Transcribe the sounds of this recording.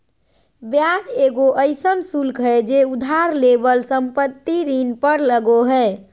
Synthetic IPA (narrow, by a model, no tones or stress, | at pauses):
bjad͡ʒeɡoʔəɪsənsulkɦɛd͡ʒeud̪ʱaɾlebəlsəmpət̪ːiɾinpəɾləɡoɦɛː